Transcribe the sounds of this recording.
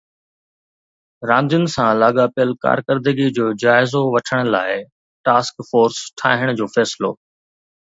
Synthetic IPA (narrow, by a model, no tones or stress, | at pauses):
ɾãːnd̪ijʊnɪ̆sãlaːɡapijəlka̰ːɾkəɾd̪əɡid͡ʑoːd͡ʑaːɪzoʋɐʈʰəɽ̃ə̆laːɪ | ʈaːskfoːɾsʈʰa̰ːɦɪɽ̃ʊd͡ʑoːfɛːsɪlo̰ː